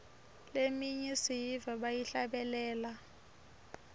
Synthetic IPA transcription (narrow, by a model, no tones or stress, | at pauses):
lemiɲisijivaɓajiɬaɓɛlɛːla